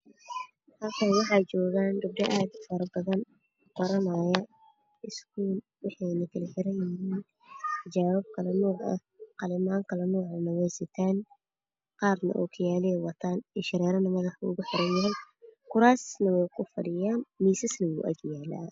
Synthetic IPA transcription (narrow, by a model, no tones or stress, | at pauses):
t̪aːkʰɐnwɑħɑt͡ʃɔːɣaːndʊb̚ɖɐʔaːd̪fɐɾɐbɐðɐn | ɡɐɾɐmajɐ | ɪskʰuːl | wɑħɑjnɐkʰɐlɐħɪɾɐjjɪhiːn | tt̪ʰɐd͡ʒaːwɐb̚kʰɐlɐnɔːʕʔɐ̰ | qɑlɪmaːŋkʰɐlɐnɔːʕnɐwɛjsɐt̪ʰaːn | qɑːrnɐ̰ʔɔ̰ːkʰɐjaːliɛwɐt̪ʰaːnɛʃɐɾɛːɾɐnɐmɐðɐħʊɣʊħɪɾɐnjɐɦɛj | kʰʊɾaːsnɐwɛjkʰʊfɐ̰ɽɪjaːnmiːsɪsnɐwṵːʔɐ̰ɡjaːla̰ː